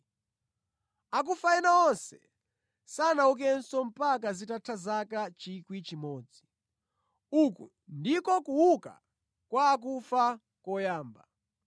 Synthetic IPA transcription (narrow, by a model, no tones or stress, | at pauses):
ak̬ufainaɔnsɛ | sanauk̬ɛnsɔm̩pak̬azitatʰazakat͡ʃikwit͡ʃimɔːd͡zi | ukṵ | ndikɔkuwuka̰ | kwaːk̬ufa | kɔjaːmba̰